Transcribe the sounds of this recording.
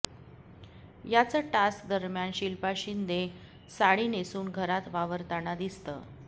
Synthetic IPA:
jat͡səʈask̚d̪əɾmjanɕilpaɕind̪e | saɽiːnesuːnɡʱəɾat̪ʋaʋəɾt̪aɽ̃ad̪ist̪ə̰ː

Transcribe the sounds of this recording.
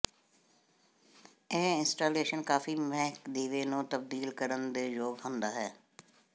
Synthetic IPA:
eːɪnsʈaːleːʃənkaːfiːmɛɦkd̪iːʋeːnũːt̪əb̚d̪iːlkəɾənd̪eːjoːɡɦʊ̃nd̪aːɦɛː

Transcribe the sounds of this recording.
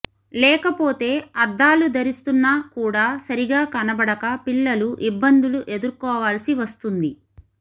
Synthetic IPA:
lɛːkɐpo̞ːt̪e̞ːɐd̪ːaːlud̪ɐɾist̪unːaːkuːɽaːsɐɾiɡaːkɐnɐbɐɽɐkɐpilːɐluʔibːɐnd̪uluʔe̞d̪uɾkɔːʋaːlɐsiʋɐst̪und̪i

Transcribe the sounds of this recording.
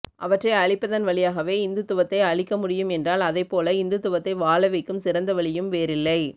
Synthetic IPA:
ʔɐʋɐʈrɐɪɐɻɪpːɐðɐnʋɐɭɪjaːɣɐʋeːɪnd̪ɯt̪ʊʋɐt̪ːɐɪɐɭɪkːɐmʊɽɪjɯmɛndraːlɐðɐɪpːoːlɐɪnd̪ɯt̪ːʊʋɐt̪ːɐɪʋaːɭɐʋɐɪkːɯmsɪɾɐnd̪ɐʋɐɭɪjɯmʋeːɾɪlːɐɪ

